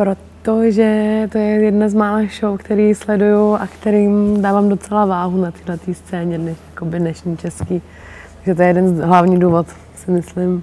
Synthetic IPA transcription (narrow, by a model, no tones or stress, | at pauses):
pɾo̞t̪oʒɛt̪ojɛjɛdnazmaːlaxʃowkt̪ɛɾiːslɛdujuʔakt̪ɛɾiːmdaːvaːmdo̞t͡sɛlavaːɦunat̪iːlɛt̪iːst͡sɛːɲɛdnɛʃjakobɪdnɛʃɲiːt͡ʃɛskiː | t̪aɡʒɛt̪̬ojɛjɛdɛnzɦlavɲiːduːvo̞t̪ | sɪmɪslɪm